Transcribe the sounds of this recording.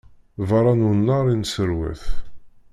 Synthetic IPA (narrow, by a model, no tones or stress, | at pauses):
vɑɾˤɑnunːɑɾˤinsəɾwæ̰θ